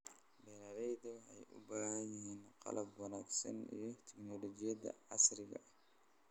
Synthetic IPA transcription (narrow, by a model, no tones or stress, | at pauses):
bɛɾaːɾɛjðɐwħɛjʔʊ̰baːhɐjɪɦiːnqɑ̰lɐbwɑnaːɡsɐ̰nḭjɞt̪ʰɪɡnɔlɔt͡ʃɪjɐd̪ɐ̰ʕɑsrɪɣɐ̰